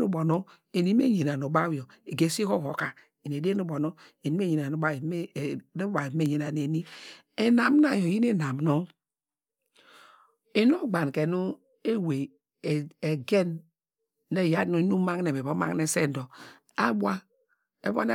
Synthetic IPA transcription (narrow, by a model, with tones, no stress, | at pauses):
nu˦bo˨no˦ | e˨ni˦m˦e˦je˨na˨no˨ba˦wjo˨ | e˨ɡe˨si˦ko˦˨ko˨ka˨ | i˨ne˨de˦nu˦bo˨no˦e˨ni˦e˦je˨n˨a˨nu˨ba˦˨˦n˦ba˨me˦ɲe˨na˨ne˨ni˦ | e˨na˨m˦na˦jo˨ji˦ne˦na˨mno˦ | e˨no˦ɡ͡ba˨n˨ke˨nu˦ | e˦we˨ | e˨ɡe˦nː | e˦˨ja˦nu˦nu˦ma˦ŋ˦e˨be˨bo˦ma̰˦ŋne˦se˦˨n˨do˨ | a˦bwa˦ | ḛ˦bo̰˦ne˦